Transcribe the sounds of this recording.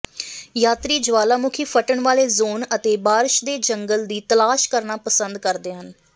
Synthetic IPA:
jaːt̪ɾiːd͡ʒəʋaːlaːmʊkʰiːpʰəʈəɳʋaːleːzoːnət̪eːbaːɾʃd̪eːd͡ʒəŋɡəld̪iːt̪əlaːʃkəɾnaːpəsənd̪kəɾd̪eːɦən

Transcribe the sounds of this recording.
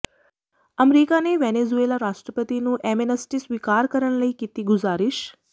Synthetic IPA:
əmɾikaneʋenezuelaɾaʂʈɾəpət̪inũːʔemenəsʈisʋikaɾkəɾəɳ̃ləikit̪iɡuzaɾiʃ

